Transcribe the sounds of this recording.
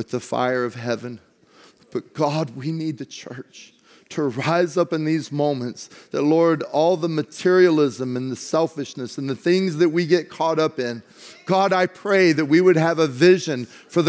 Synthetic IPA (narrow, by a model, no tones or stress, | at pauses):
wɨðɨfa̰ɪə˞ʌv̥ɦɛvɨ̃n | b̥ʌt̚ɡ̥ɑd̚winid̪̚ðɨt͡ʃʰɜ˞t͡ʃ | tʰəɹaɪzʌpɨ̃nðizmõʊ̃mɨ̃ntsðɨtˡlɔɹɾɔlˠðəmɨtʰɪɹil̩ˠɪzə̃mɨ̃nðɨsɛlˠfɨʃnɨsn̩ðɨθɪ̃ŋzðɨt̚wiɡɛt̚kʰɔɾʌpɪ̃n | ɡ̥ɑɾaɪpʰɹ̥eɪðɨt̚wiwɨɾ̚ɨvəvɪʒɨ̃n | fə˞ð